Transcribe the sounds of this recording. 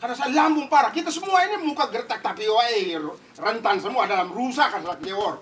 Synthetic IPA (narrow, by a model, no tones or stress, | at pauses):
kanasalambuŋpaɾakit̪asəmuainimukaɡəɾt̪ak̚t̪apiwae | rənt̪ans̬əmuadalamrusakansalak̚newɔɾ